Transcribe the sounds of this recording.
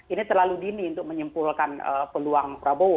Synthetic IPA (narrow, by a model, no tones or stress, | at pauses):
init̪ərlaludiniunt̪ʊk̚məɲəmpʊlkanə̰pəluaŋpəɾabo